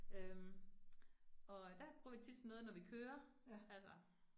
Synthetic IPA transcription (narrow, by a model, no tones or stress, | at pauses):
øm | ɒ̽d̥æb̥ʁuɐ̰ʋit͡sʰid̥sd̥nɔ̽ːðˠnɒʋikʰøːɐ | ælsɐ